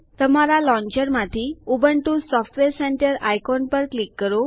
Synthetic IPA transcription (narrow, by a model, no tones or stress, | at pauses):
t̪əmaɾalɔ̃ɲd͡ʑəɾmat̪ʰiːubəɳʈuːsɔfʈʋeɾsɛɳʈəɾajkɔnpəɾklikːəɾo